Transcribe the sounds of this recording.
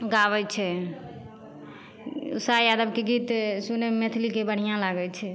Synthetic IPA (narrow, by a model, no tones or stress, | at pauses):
ɡabɛt͡ʃʰɛ | ṵsajad̪əb̚keɡit̪sunemet̪ʰlikebəɽ̤ijãlaɡɛt͡ʃʰɛ